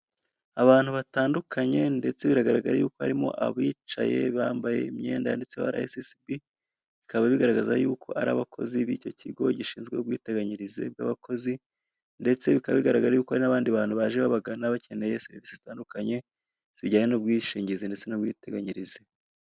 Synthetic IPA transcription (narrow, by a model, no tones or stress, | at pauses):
aβaːn̥huβataːndukʰaɲe̞nde̞t͡se̞βiɾaɡaɾaɡaɾajuːko̞ha̰ɾimo̞̰ʔa̰βiːt͡ʃa̰je̞̰βaːmbaje̞̰imɲe̞̰ːndajande̞t͡se̞wa̰ɾa̰esisibi | βikaβaβiɡaɾaɡaza̰juːkʰo̞ʔaɾa̰ːβakʰo̞̰ziβḭco̞cʰiɡo̞ɟiʃiːnzɡwe̞ubɡwiːte̞ɡaɲiɾizḛb̚ɡa̰ːβakʰo̞zi | nde̞t͡se̞βikaβaβiɡaɾaɡaɾajuːkohaɾinaβaːndiβaːn̥huβaʒeβaβaɡanaβace̞ne̞jese̞ɾivisizitaːndukaɲe̞ | z̥iɟaːɲenub̚ɡwiːʃiːɲɟizinde̞t͡se̞nubɡḭːte̞ɡaɲiɾize